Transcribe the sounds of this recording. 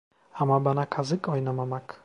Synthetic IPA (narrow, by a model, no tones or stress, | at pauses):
amabanakʰazɨkʼɔjnamamakʰ